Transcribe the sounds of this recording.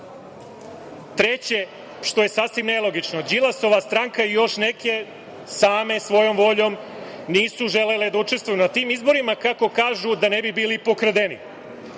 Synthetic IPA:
t̪ɾet͡ɕe̞ | ʃt̪o̞je̞sasʋimnelˠo̞ɡit͡ʃno̞d͡ʑilˠasoʋast̪ɾaŋkaijo̞ʃne̞ke̞ | saːme̞sʋo̞jo̞mʋo̞ʎo̞m | niːsuʒe̞le̞led̪aut͡ʃe̞st̪ʋujunat̪iːmizbo̞ɾimakako̞kaːʒud̪ane̞bibiːlipo̞kɾ̩d̪enḭ

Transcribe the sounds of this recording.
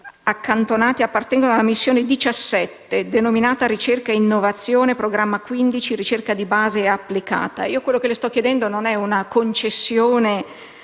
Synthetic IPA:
akːant̪onaːt̪iapːart̪ɛŋɡonoalːamisːjoːned̪it͡ʃasːɛt̪ːed̪enominaːt̪aɾit͡ʃerkainːovat̪sːjoːnepɾoɡɾamːakwind̪it͡ʃirit͡ʃerkad̪ibaːzeapːlika̰ːt̪a̰iːokwelːokelest̪ɔkːjed̪ɛnd̪ononɛunakont͡ʃesːjoːne

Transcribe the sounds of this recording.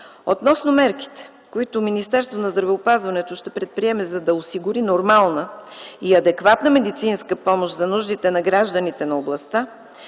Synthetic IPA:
ot̪nɔsnʊmɛɾki̥t̪ɛ̥ | koit̪ominist̪ɛɾst̪vonɐzd̪ɾɐvɛopazvɐnɛt̪oʃt̪ɛpɾɛt̪̚pɾiɛmɛzɐd̪ɐosiɡʊɾinoɾmalˠnəiɐd̪ɛkvat̪nəmɛd̪it̪sinskəpɔmoʃzɐnuʒd̪it̪ɛnɐɡɾaʒd̪ənit̪ɛnɐoblˠɐst̪a

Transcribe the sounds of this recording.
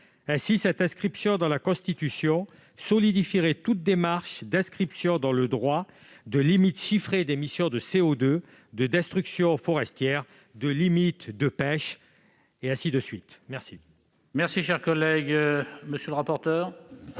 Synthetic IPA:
ɛ̃sisɛt̪ɛ̃skχipsjɔ̃d̪ɑ̃lakɔ̃st̪it̪ysjɔ̃ | sɔlid̪ifiʁet̪ut̪̚d̪emaʁʃd̪ɛ̃skχipsjɔ̃d̪ɑ̃ləd̪ʁwa | d̪əlimit̪ʃifχed̪emisjɔ̃d̪əseod̪ø | d̪əd̪ɛst̪χyksjɔ̃fɔʁɛst̪jɛʁ | d̪əlimit̪d̪əpɛʃ | eɛ̃sid̪əsɥit̪mɛʁsi | mɛʁsiʃɛʁkɔlɛɡməsjøləʁapɔʁt̪œːʁ

